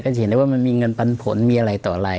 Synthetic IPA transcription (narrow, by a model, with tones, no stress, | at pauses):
kɔ˥˩t͡ɕhe˦nda˧˦waː˥˩ma˧nmiː˧ŋɤ˧npa˧npʰo˩˦nmiː˧ʔa˧ɾa˧jt̪ɔː˨˩ʔa˧ɾa˧j